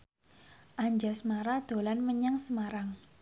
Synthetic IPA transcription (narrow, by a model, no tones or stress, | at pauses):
ʔaɲd͡ʒasmaɾad̪̥o̤lanməɲaŋsəmaɾaŋ